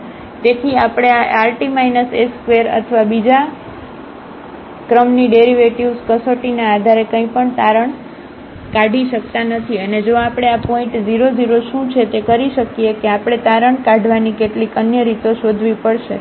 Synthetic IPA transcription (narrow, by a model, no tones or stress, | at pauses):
t̪et̪ʰiapɽ̃eaʔalʈimajnəseskʋeɾə̰t̪ʰəʋabid͡ʒa | kɾəmniɖeɾiʋeʈiʋskəsoʈinaːd̪ʱaɾekə̃ĩpəɳt̪aɾəɳ | kaɖʱiʃəkt̪anət̪ʰiəned͡ʒoapɽ̃eapoĩʈd͡ʒiɾoziɾoʃũt͡ʃʰet̪ekəɾiʃəkijekeapɽ̃et̪aɾəɳkaɖʱʋanikeʈlikənjəɾit̪oʃod̪ʱʋipəɽʃe